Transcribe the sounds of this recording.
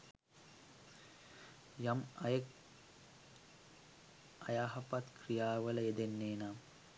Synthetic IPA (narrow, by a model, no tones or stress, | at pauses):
jamɐjək | ɐjaːɦɐpat̪krijaːʋələed̪enːeːnaː